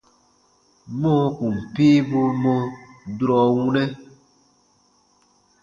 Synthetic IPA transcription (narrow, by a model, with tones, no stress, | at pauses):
mõ˦ku˨m˨piː˦bu˧mo˦˧dɾɔ˨wu˦nɛ˦